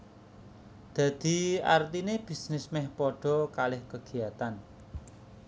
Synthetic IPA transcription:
d̪̥ä̤d̪̥i̤a̰rt̪ineb̥isnɪsmɛhpɔɖ̥ɔ̤kalɪhkəɡ̥i̤at̪an

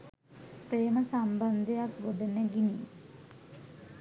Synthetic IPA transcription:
preːməsamband̪ʱejakʋoɖəneɡini

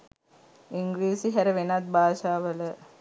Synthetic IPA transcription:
iŋɡɾiːsiɦæɾəʋenat̪̚bʱaːʃaːʋələ

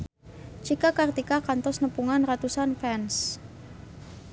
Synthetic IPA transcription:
t͡ʃikakart̪ikakant̪ɔsnəpuŋanrat̪usanfɛns

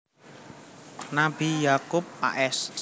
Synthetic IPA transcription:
nab̥ijakʊp̚a̰ʔɛs

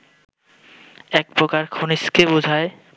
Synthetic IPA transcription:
ɛk̚pɾokaɾkʰoniskebud͡ʑʱae

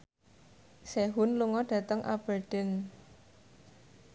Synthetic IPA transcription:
seɦunluŋɔɖ̥ä̤t̪əŋʔa̰b̥ərd̪̥ɛ̤n

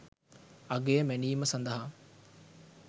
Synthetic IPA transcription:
ɐɡeːmeniːməsɐnd̪ɐɦa

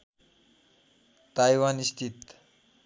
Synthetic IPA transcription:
t̪ajwanist̪ʰit̪

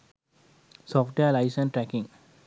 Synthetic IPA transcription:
sɔːfʈʋelaɪsə̃nʈɾɛkĩŋ

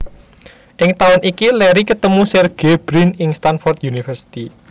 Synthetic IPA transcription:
ʔɪŋt̪aʊnʔikilɛɾikət̪əmusɛrɡ̥eb̥ɾinɪŋst̪anfɔrt̪̚junifərsi̥t̪i

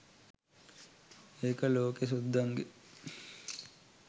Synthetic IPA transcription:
eːkəloːkesud̪ʱːɐŋɡe

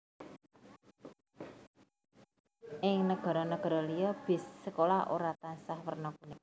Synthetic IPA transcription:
ʔɪŋnəɡ̥ɔ̤ɾɔnəɡ̥ɔ̤ɾɔlijɔb̥ɪ̤sːəkolaʔo̰ɾat̪ansahwərnɔkune

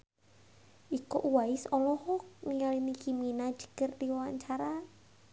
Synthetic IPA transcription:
ʔikoʔwaɪsɔlɔhɔkniŋalinikiminḁd͡ʒ̥ə̤̥kərd̪iwawaɲt͡ʃaɾa

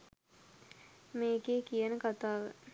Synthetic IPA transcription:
meːkeːkijənəkat̪aːʋə̰

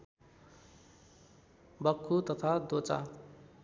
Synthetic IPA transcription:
bʌkʰːut̪ʌt̪ʰad̪ot͡sa̰

